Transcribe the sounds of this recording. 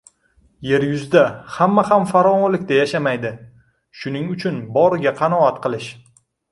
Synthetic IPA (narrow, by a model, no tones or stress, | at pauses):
je̞ɾjʊzd̪ahamːahamfaɾɒnɒlɪkʲt̪ajaʃamajd̪ɪ | ʃʊnɪŋʊt͡ʃʰʊnbɒɾɪɡʲaqʰɑnɒat̪qʰɨlˠɪʃ